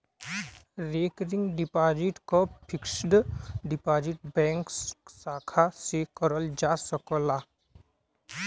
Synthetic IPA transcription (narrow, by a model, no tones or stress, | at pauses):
ɾekɾiŋɡɖipaːd͡ʒiʈkɔpʰiksɖɖipaːd͡ʒiʈ̚bɛ̃ŋkssaːkʰasekɔɾəld͡ʒasɔkɔla